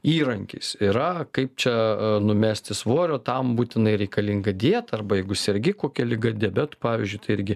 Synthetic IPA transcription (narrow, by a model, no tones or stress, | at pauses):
iːɾɐŋʲkʲḭːsɪɾɐkɐɪp̚t͡ʃʲɛnʊmʲæːsʲt̪ʲɪsʋoːɾʲoːt̪ɐmbuːt̪ʲɪnɐɪɾʲɛɪkɐlʲɪŋɡɐd̪ʲiɛt̪ɐrbɐjɛɪɡʊsʲɛɾʲɡʲɪkoːkʲɛlʲɪɡɐd̪ʲebʲæt̪ʊ̥pɑːʋʲiːzʲd͡ʒʲʊɪt̪ɐɪɪɾʲɡʲɪ